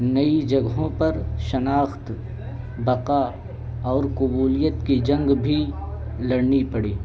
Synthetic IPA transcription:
nɐid͡ʒɐɡɦõpɐɾʃɐnaːxt̪ | bɐqa | ɔːɾkʊbuːlijət̪kid͡ʒɐ̃ŋɡbʱi | lɐɽnipɐɽeː

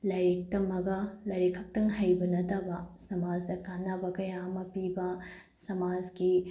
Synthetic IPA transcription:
lɐjɾik̚tɐmɐɡɐlɐjɾikʰːɐk̚tɐŋɦɐjbɐnɐtɐbɐsɐmad͡ʒdɐkanɐbɐkɐjamɐpibɐ | sɐmad͡ʒki

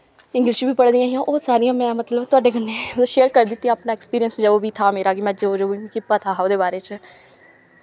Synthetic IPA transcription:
ɪ̃ŋɡlɪʃiːbiːpəɽd̪ijãːɦiãːʔoːsaːɾɪjãːmɛ̃ːmət̪ləbt̪ʊaːɖeːɡənːeːd̪õːʃeːɾkəɾd̪ɪt̪ːĩjãːpnaːɛːkspiːɾijənsd͡ʒəoːʋiːt̪ʰaːmeːɾaːɡimɛ̃ːd͡ʒeoːd͡ʒooikɪpːaːt̪ʰaːoːd̪eːbaːɾeːt͡ʃ

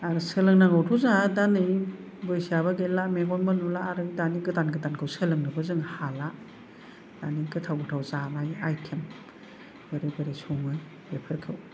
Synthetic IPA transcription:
aɾsɯlɯŋnaŋawtʰuzadanij | bɯjsijabɐɡelameɡɔnbɯnulaːɾɯdaniɡɯtanɡɯtankʰɯwsɯlɯŋnɯbɯzɯŋhala | d̥aniɡɯtʰawɡɯtʰawzabajajkʰem | bɯɾebɯɾesɔŋɯ | bepʰɯɾkʰɯw

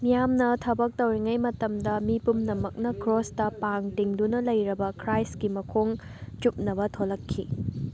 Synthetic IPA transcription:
mijamnɐtʰɐbɐk̚tɐwɾiŋɐjmɐtɐmdɐmipumnɐmɐk̚nɐkɾostɐpaŋtiŋdunɐlɐjɾɐbɐkɾajskimɐkʰoŋ | t͡ʃup̚nɐβɐtʰolɐkʰːḭ

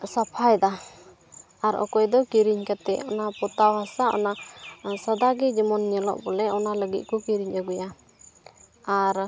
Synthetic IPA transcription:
sapʰajd̪a | aɾɔ̰kɔjd̪ɔkiɾiɲkat̪ɛɔnapɔt̪awɦasaɔ̰nasad̪aɡɛd͡ʒɛmɔnːjəlɔ̰ʔ̚bɔlɛʔɔnaləɡit̪̚kɔkiɾiɲʔaɡuja | aɾ

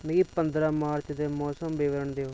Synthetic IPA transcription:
nːɡiːpənd̪ɾaːmaːɾt͡ʃd̪eːmɔːsəmbɪʋəɾəɳd̪eːoː

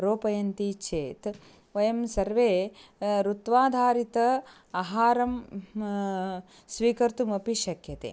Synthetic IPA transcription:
ɾoːpɐjɐnt̪iːt͡ʃʰeːt̪ | ʋɐjɐmsɐɾʋeːɾut̪ʋaːd̪ʱaːɾit̪ɐ | ɐɦaːɾɐm | sʋiːkɐɾt̪umɐpiʃɐkʰjɐt̪ḛː

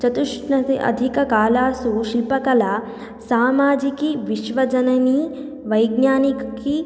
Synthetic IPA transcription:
t͡ʃɐt̪uʂnɐiɐ̰d̪ʱikɐkaːlaːsuʃilpɐkɐlaː | saːmaːd͡ʒikiʋiʃʋɐd͡ʒɐnɐni | ʋɐjɡnaːnikki

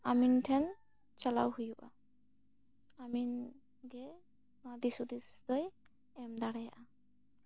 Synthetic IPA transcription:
amintʰɛn | t͡ʃala̰whujuʔa̰ | amin | ɡɛ | mad̪isud̪isd̪ɔj | ɛmd̪aɽajaʔa

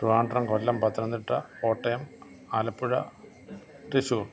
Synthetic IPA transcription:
ruaːɳɖrɐŋkolːɐmpɐt̪ːɾɐnd̪iʈːɐoːʈːɐjɐm | aːlɐpːuɻɐ̰ | ʈeɕu

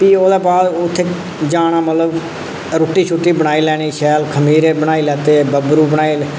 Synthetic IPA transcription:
piːoːd̪eːbaːd̪ʊt̪ʰːeː | d͡ʒaːñaːmət̪ləb | ɾoːʈːiːt͡ʃʰuʈːiːbəɽ̃aːiːlɛːɽ̃iːʃɛːlkʰəmiːɾeːbəɽ̃aːiːlɛːt̪eːbəbɾuːbəɽ̃aːiːl

